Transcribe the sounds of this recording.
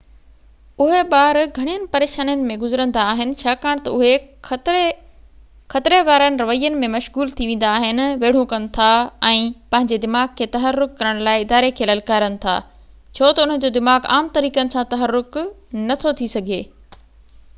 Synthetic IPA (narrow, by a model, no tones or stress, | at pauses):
ʊɦeɓaːɾɡʱɐɽ̃ijənɪ̆pɐɾeːʃaːnənɪ̆mẽɡʊzɾə̃nd̪aːɦɪnɪ̆t͡ɕʰaːkaːɽ̃t̪ɐʊɦe | xɐt̪ɪɾeʋaːɾənɪ̆ɾɐʋəijːənɪ̆mẽmɐʃɣuːlt̪ʰiʋẽːn̆d̪aːɦɪnɪ̆ʋeːɽ̤ũkɐnɪ̆t̪ʰaɛ̃ːpɐ̃ɦɪ̃ɲd͡ʑed̪ɪmaːɡ̚kʰːeːt̪ɐɦərːʊkːɐɾəɽ̃laːɪɪd̪aːɾekʰeːlɐlkaːɾənɪ̆t̪ʰa̰ː | t͡ɕʰoːt̪ɐʊn̤ən̆d͡ʑoːd̪ɪmaːɡa̰ːmt̪ɐɾiːkənɪ̆sãt̪ɐɦəɾːʊknɐt̪ʰot̪ʰisɐɡʱeː